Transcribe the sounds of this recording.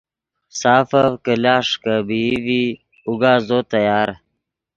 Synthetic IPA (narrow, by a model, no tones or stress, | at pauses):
saːfɐvkəlaːʂkəbivi | uɡaːzot̪ɐjaːɾ